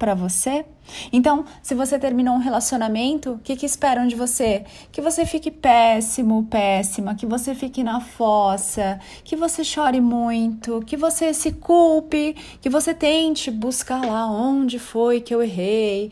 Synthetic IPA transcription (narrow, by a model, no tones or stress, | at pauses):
pɾɐvose | ẽt̪ɐ̃w̃sɪvoset̪eɾmĩnoũɦelasionamẽnt̪ʊkɪkɪspɛɾɐ̃w̃d͡ʒɪvose | kɪvosefikɪpɛsimʊpɛsimɐkɪvosefikɪnɐfɔsɐ | kɪvoseʃɔɾɪmũj̃t̪ʊkɪvosesɪkuwpɪ | kɪvoset̪ẽt͡ʃɪbuskalaõd͡ʒɪfojkɪeweɦej